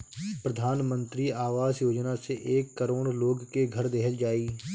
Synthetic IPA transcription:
pɾəd̪ʱaːnmə̃nt̪ɾiaːʋaːzjoːd͡ʒnaseʔeːkːəɾoːɽloːɡkeɡʱəɾd̪eɦəld͡ʒaːiː

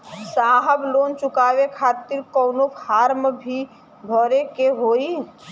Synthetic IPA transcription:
saːɦəbloːnt͡ʃʊkaːʋekʰaːt̪ɪɾkɔːnopʰaːɾməbʱi | bʱɔɾekeɦoːi

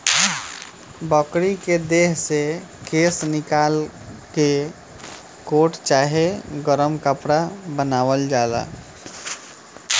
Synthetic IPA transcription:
bəkɾiked̪eɦsekeːsnɪkaːlke | koːʈt͡ʃaːɦeɡəɾəmkəpɽabənaːwəld͡ʒaːd̪a̰

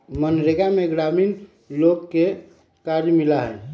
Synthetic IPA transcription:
mənɾeɡameɡɾamin | loɡke | kaɾjmilaɦɛ̰

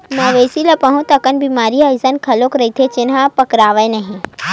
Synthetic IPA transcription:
mɐʋesilɐpɐɦũt̪ɐkənbiːmaːɾiajsənkʰɐlokɾɐit̪ʰet͡ʃɪnɦapɐkɾaːʋəjnɐɦĩ

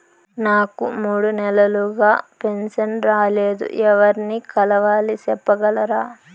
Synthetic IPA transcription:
naːkumuːɽunɛlɐluɡaːpe̞nsɐnɾaːleːd̪ṵʔɛʋɐɾinikɐlɐʋaːlisɛpːɐɡɐlɐɾaː

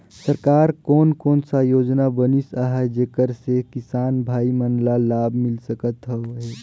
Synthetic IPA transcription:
səɾkaːɾkɔːnkɔːnsajoːd͡ʒnabənisaɦɛd͡ʒeːkəɾsekɪsaːnbʱaːimənlalaːbmɪlsəkət̪ɦɛoɦɛ

